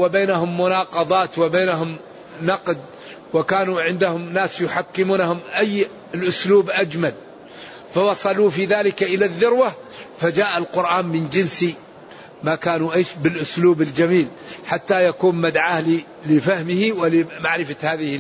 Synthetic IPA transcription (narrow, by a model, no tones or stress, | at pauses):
wɪbeːnaɦʊmːʊnɑːqɑd̪ˤɑːt̪wɪbeːnaɦʊm | nɑqd̪̚ | wɪkaːnuʕɪnd̪ahʊmnaːsjʊħakːɪmuːnahʊmʔajː | ɪlʔʊsluːbʔad͡ʒmal | fɑwɑsˤɑluːfiðaːlɪkʔɪlaðːʊɾwa | fad͡ʒaːʔalqʊɾʔaːnmɪnd͡ʒɪnsi | makaːnuʔeːʃbɪlʔʊsluːbɪld͡ʒamiːlħat̪ːajakuːnmad̪ʕaːhli | lɪfahmɪhiwɪlɪmaʕɾɪfahaːðɪhɪ